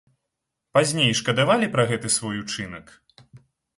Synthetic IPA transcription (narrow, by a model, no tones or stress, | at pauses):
pazʲnʲejʂkɐd̪avalʲipɾɐɣɛt̪ɨsvɔjut͡ʂɨnɐk